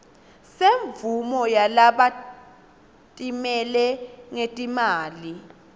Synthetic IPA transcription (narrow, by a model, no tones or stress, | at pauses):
seɱvumɔjalaɓa | tʼimɛlɛŋetʼimaːli